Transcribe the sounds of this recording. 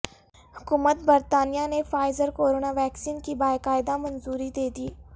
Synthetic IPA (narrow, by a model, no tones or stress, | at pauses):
hʊkuːmət̪̚bəɾt̪aːnijanefaːɪzəɾkoːɾoːnaʋɛːksiːnkibaːjkaːɪd̪amɐnzuːɾid̪eːd̪iː